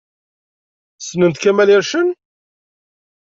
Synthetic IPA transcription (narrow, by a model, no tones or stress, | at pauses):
snənt̪kæmæliɾʃən